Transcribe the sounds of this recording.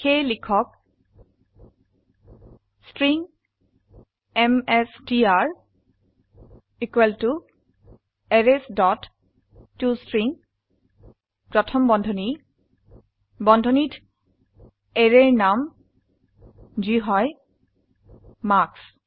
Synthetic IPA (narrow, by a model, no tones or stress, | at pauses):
xejlikʰɔk̚ | stɹiŋ | ɛmɛsdiaɹ | ikweltu | ɛɹesdɔtː | ustɹiŋ | pɹɔtʰɔmbɔndʱɔni | bɔndʱɔnit | eɹeɹnam | d͡ʒiɦɔj | maks